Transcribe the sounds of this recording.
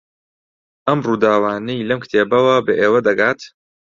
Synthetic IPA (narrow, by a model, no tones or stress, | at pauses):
ʔɐmruːd̪aːwaːnejlɐmkt̪ʰeːbɐwɐbɐʔeːwɐd̪ɐɡaːt̪